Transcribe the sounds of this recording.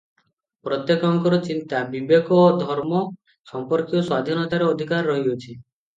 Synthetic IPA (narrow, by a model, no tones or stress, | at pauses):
pɾɔt̪jekɔŋkɔɾɔt͡ʃint̪abibekɔd̪ʱɔɾmɔ | sɔmpɔɾkjɔswad̪ʱinɔt̪aɾeod̪ʱikaɾːɔɦiot͡ʃʰi